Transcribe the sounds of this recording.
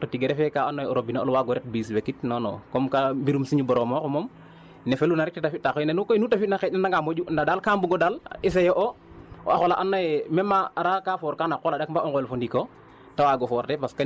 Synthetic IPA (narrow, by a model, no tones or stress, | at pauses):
totiɡeɾefɛkaanːojɔɾobinao̰lwaɡɔɾet̚biswekitnɔno̰komkambiɾumsiɲubɔɾomokomom | nefelunaɾɛk̚titafit̚takojinenukoinutafitnaketnanaŋamoɟundadalkambuɡodalis̬ejoʔo | oaxolaʔanːajɛmemaɾakafɔɾkanakolaɗak̚mbaʔɔŋɡelfondiko | tawaɡɔfɔɾtɛpaska